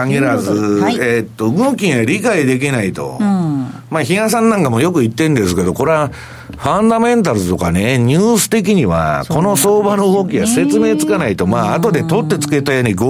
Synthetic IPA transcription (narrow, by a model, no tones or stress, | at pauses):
aŋeɾazɨet̪ːo̞ɡɯ̃kʲĩɰ̃aɾʲikaid̪e̞k̬ʲinait̪o̞̰ | maːçiãs̬ãnːãŋkamo̞jo̞kɯ̟it̪ːẽ̞nd̪e̞sɨ̥ke̞d̪o̞ko̞ɾea | ɸãnd̪amẽ̞nt̪aɾɯt̪o̞kaneɲ̟ɨːsɨ̥t̪e̞k̬ʲiɲ̟iβa̰ko̞no̞so̞ːbano̞okʲiβase̞t͡sɨme̞ːt͡sɨ̥kanait̪o̞maːt̪o̞d̪e̞t̪o̞t̪ːe̞t͡sɨ̥ke̞t̪ajoːɲ̟iɡ